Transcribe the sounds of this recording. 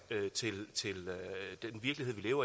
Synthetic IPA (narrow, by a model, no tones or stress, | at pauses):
øt͡sʰe̝lt͡sʰe̝lød̥enʋiɐɡ̥liɦeð̰ˠʋile̝ːʊɐ